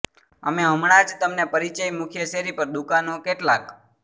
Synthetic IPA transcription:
əmeɦə̃mɽat͡ʃʰt̪əmnepəɾit͡ʃəjmukʰjəʃeɾipəɾd̪ukanokeʈlak

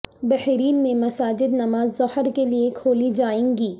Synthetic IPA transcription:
bɛhɾiːnmẽmɐsaːd͡ʒɪd̪nɐmaːzːɔhəɾkeliekʰoːlid͡ʒaːẽːŋɡiː

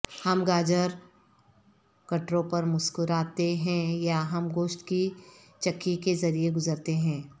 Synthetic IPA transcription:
hɐmɡaːd͡ʒəɾ | kɐʈɾõpɐɾmʊskʊɾaːt̪eɦɛ̃jaɦɐmɡoːʃʈ̪ki | t͡ʃɐkːikezɐɾieɡʊzəɾt̪eɦɛ̃ː

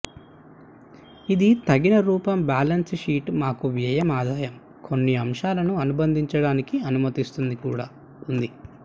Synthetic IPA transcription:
id̪it̪ɐɡinɐɾuːpɐmbaːlɐnsʂiːʈmaːkuʋjɐjɐmaːd̪aːjɐm | kʰo̞nːiɐmʂaːlɐnuɐnubɐnd̪ʱiɲt͡ʃɐɽaːnikiɐnumɐt̪ist̪und̪ikuːɽaː | und̪i

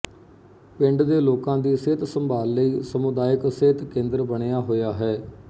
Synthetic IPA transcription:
pɪɳɖd̪eːloːkãːd̪iːseːt̪səmbʱaːlːəiːsəmʊd̪aːjəkseːt̪kẽːnd̪ɾbəɳejaːɦoːjaːɦɛː

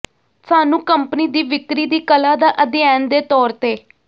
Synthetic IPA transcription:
saːnũːkəmpniːd̪iːʋɪkɾiːd̪iːkəlaːd̪aːʔəd̪ɪjaːnd̪eːt̪ɔːɾt̪eː

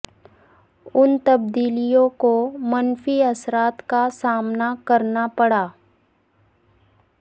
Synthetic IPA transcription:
ʊnt̪ɐb̚d̪iːlijõkomɐnfiɐsɾaːt̪kasaːmnakɐɾnapɐɽaː

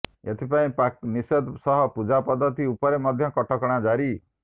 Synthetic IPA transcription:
et̪ʰipaĩpak̚nised̪sɔɦɔpud͡ʒapɔd̪ːɔt̪iupɔɾemɔd̪ʱjɔkɔʈʰɔkɔɽ̃ad͡ʒaɾi

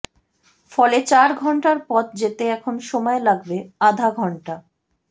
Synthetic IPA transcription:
fɔlet͡ɕaɾɡʱɔɳʈaɾpɔt̪̚d͡ʑet̪eɛkʰonʃɔmɔelaɡbead̪ʱaɡʱɔɳʈa

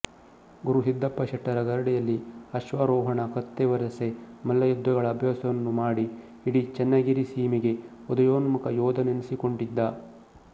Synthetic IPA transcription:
ɡuɾusid̪ːɐpːɐʃɐʈːɐɾɐɡɐɾɐɽijɐlːiɐʃʋaɾɔːɦɐɳɐkɐt̪ːeʋɐɾɐsemɐlːɐjud̪ːɐɡɐɭɐːbʱjaːsɐʋɐnːumaːɽi | iɽit͡ʃɛnːɐɡiɾisiːmiɡe̞ | ɔd̪ɐjoːnɐmukɐjɔːd̪ɐnenisiko̞ɳɖid̪ːɐ

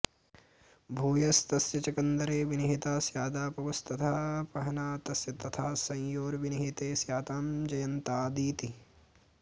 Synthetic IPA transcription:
bʱuːjɐst̪ɐsjɐt͡ʃɐkɐnd̪ɐɾeːʋiniɦit̪aːsjaːd̪aːpɐʋɐst̪ɐt̪ʰaːpɐɦɐnaːt̪ɐsjɐt̪ɐt̪ʰaːsɐ̃jjoːɾʋiniɦit̪eːsjaːt̪aːmd͡ʒɐjɐnt̪aːd̪iːt̪i

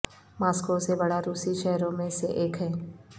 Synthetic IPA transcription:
maːskosebɐɽaɾuːsiʃɛɦɾõmẽseʔeːkɦɛː

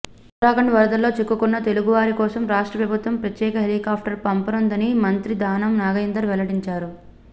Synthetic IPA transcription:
uɾaːɡɐɳɖʋɐɾɐd̪ɐlːo̞ːt͡ʃekːukunːɐt̪e̞luɡuʋaːɾikɔːsɐmɾaːʂʈɾɐpɾɐbʱut̪ʋɐmpɾɐt̪jɛːkɐɦelikaːp̚ʰʈɐɾpɐmpɐnond̪ɐnimɐnt̪ɾid̪aːnɐmnaːɡɐjɐnd̪ɐɾʋɛlɐɽiɲt͡ʃaːɾu

